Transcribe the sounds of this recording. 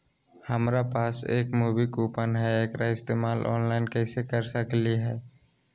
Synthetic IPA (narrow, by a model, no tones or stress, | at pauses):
həmɾapaːsḛːkmuːʋikuːpənɦɛeːkɾaɪst̪eːmaːlʔɔ̰ːnlaːɪnkɛːsekəɾsəkliɦɛː